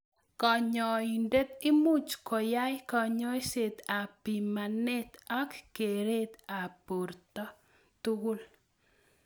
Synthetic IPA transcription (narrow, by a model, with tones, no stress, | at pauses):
kɔ˨ɲɔ˨inde˦t̪ɪ˦mu˦t͡ʃkɔ˨ja˦jkɔ˨ɲɔ˦set̪a˨pi˨ma˨nɛ˦t̪a˦kke˨ɾe˦t̪a˨po˨rt̪ɔ˦ | t̪u˦ɡʊ˦l